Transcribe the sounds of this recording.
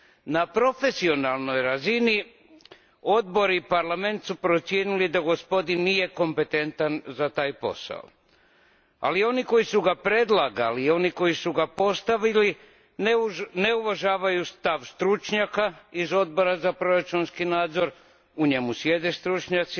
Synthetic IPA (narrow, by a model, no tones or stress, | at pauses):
napɾo̞fe̞sio̞nalˠno̞jɾazini | o̞d̪̚bo̞ɾipaɾlame̞nt̪supɾo̞t̪sje̞nilid̪aɡo̞spo̞d̪inːije̞ko̞mpe̞t̪e̞nt̪anzat̪aːjpo̞̰sa̰o̰ | a̰lio̞niko̞jisuɡapɾe̞d̪lˠaɡalio̞niko̞jisuɡapo̞st̪aʋili | nneuʋaʒaːʋajust̪aʋst̪ɾut͡ʃɲakaizo̞d̪̚bo̞ɾazapɾo̞ɾat͡ʃunskinaːd̪zo̞ɾ | uɲe̞musʋje̞d̪est̪ɾut͡ʃɲat̪si